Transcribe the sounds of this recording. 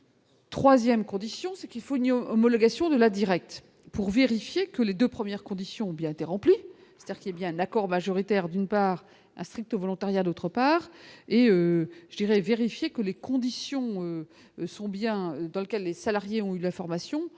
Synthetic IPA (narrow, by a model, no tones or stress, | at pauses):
t̪χwazjɛmkɔ̃d̪isjɔ̃sɛkilfoynɔmɔlɔɡasjɔ̃d̪əlad̪iʁɛk̚t̪ | puʁveʁifjekəled̪øpχəmjɛʁkɔ̃d̪isjɔ̃ɔ̃bjɛ̃et̪eʁɑ̃pli | se̥t̪ad̪iʁkiljabjɛ̃ɛ̃nakɔʁmaʒɔʁit̪ɛʁd̪ynpaːʁ | ɛ̰̃st̪χik̚t̪ovɔlɔ̃t̪aʁjad̪ot̪χəpaːʁeøʒəd̪iʁɛveʁifjekəlekɔ̃d̪isjɔ̃ø | sɔ̃bjɛ̃ød̪ɑ̃ləkʲɛlːesalaʁjeɔ̃ylɛ̃fɔʁmasjɔ̃